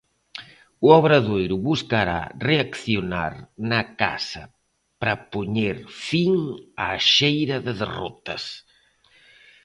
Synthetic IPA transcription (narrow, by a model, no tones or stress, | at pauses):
uɔβɾaðojɾuβuskaɾa̰reakθjona̰ɾnɐka̰sɐ | pɾɐpoɲeɾfiŋaʃejɾɐðɪðḛrɔ̰t̪ɐ̰s